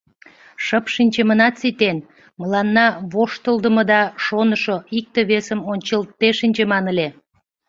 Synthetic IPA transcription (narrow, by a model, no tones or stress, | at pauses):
ʃəpʃinʲt͡ɕəmənɑt̪sit̪en | məlɑnːɑβoʃt̪əld̪əməd̪ɑʃonəʃoik̚t̪eβesəmonʲt͡ɕəlt̪ːeʃinʲt͡ɕemɑnəlʲe